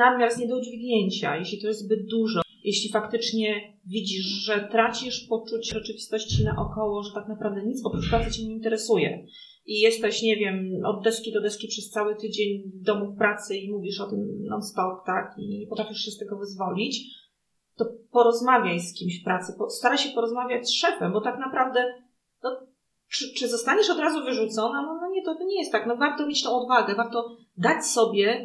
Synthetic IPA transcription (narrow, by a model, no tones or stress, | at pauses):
namʲjaɾsɲɛd̪ɔud͡ʑvʲiɡɲeɲt͡ɕa̰jeɕlʲit̪ɔjɛzt̪zbɘd̪̚d̪uʐɔ | jɛɕlʲifakt̪ɘt͡ʂɲɛ | vʲid͡ʑiʂʐɛt̪ɾat͡ɕiʂpɔt͡ʂut͡ɕʐɛt͡ʂɘvʲist̪ɔɕt͡ɕinaʔɔkɔwɔʐɛt̪aknapɾavd̪ɛɲit̪sɔpɾuʂpɾatsɘt͡ɕeɲeint̪ɛɾɛsujɛ̰ | ʔijɛst̪ɛɕɲɛvʲjɛmɔ̰d̪ːɛʂkʲid̪ɔd̪ɛʂkʲipʂɛst̪sawɘt̪ɘd͡ʑeɲd̪ɔmufpɾat̪sɘimuvʲiʂɔt̪ɘmna̰nst̪ɔkt̪akiɲɛpɔt̪ɾafʲiʂɕɛst̪ɛɡɔvɘzvɔlʲit͡ɕ | t̪ɔpɔɾɔzmavʲjajskʲimɕfpɾat̪sɘpɔst̪aɾaɕɛpɔɾɔzmavʲjat͡ɕsʂɛpɛmbɔt̪aknapɾavd̪ɛ | nɔ | t͡ʂɘt͡ʂɘzɔst̪aɲɛʂɔd̪ɾazuvɘʐut̪sɔnanɔnɔɲɛt̪ɔt̪ɔɲɛjɛst̪ːaknɔvaɾt̪ɔmjet͡ɕt̪ɔ̃w̃ɔd̪vaɡɛvaɾt̪ɔ | d̪at͡ɕsɔbʲjɛ